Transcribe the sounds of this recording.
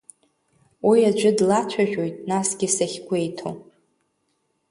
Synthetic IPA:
wiad͡ʒʷʊdlat͡ʃʷʰaʒᶣo̞jtʼnasɡʲɪsaχʲɡʷe̞jtʰo̰

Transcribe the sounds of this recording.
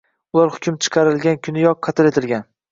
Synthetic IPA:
ʊlˠaɾhʊkʲʰʊmt͡ʃʰɨ̥qʰɑɾɪlɡʲankʲʰʊnɪjɒq̚ːʰɑt̪ʰɪle̞t̪ʰɪlˠɡʲan

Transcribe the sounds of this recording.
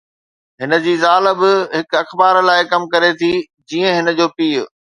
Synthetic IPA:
ɦɪnə̆d͡ʑiːzaːləbɪɦɪkɐxbaːɾlaːɪkɐmkɐɾet̪ʰi | d͡ʑiːə̃ɦɪnə̆d͡ʑoːpiːʊ̰

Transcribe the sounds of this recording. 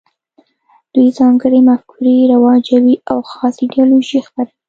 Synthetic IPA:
d̪̥ujzɑŋɡəɽemafkʰuɾiɾawɑd͡ʒawiawxɑseɖijɑloʒixpaɾai

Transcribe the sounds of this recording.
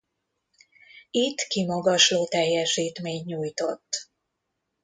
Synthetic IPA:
it̪ːkimɒɡɒʃloːt̪ɛjːɛʃiːt̪meːɲːuːjt̪o̞t̪ː

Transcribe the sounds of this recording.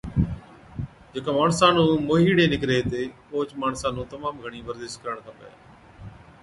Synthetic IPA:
d͡ʒekãːmaːɳsãːnũːmoːɦiːɽeːnɪkɾeːt̪eː | oːt͡ʃmaːɳsãːnũːt̪əmaːmɡʱəɳiːʋəɾd̪eːʃt̪̚kəɾəɳt̪ʰaːpə̰ja̰ː

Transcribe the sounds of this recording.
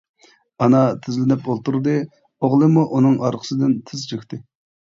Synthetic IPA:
ɑnɑt̪ʰɪzlɪnɪpolˠt̪uɾd̪ɨ | oʁlˠɨmuʔunɨŋɑɾqʰə̥sɨd̪ɪnt̪ʰɪzt͡ʃʰekʲt̪ɪ

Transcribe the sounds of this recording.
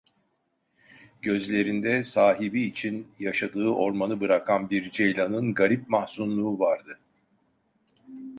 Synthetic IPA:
ɟ̥ø̞zlʲe̞ɾind̪ɛsaːɦibiːt͡ʃʰinjaʃad̪ɯːʔo̞ɾmanɯbɯɾakʰanbiɾd͡ʒejlʲanɯnɡaɾip̚mahsunlˠuːvaɾd̪ɯ

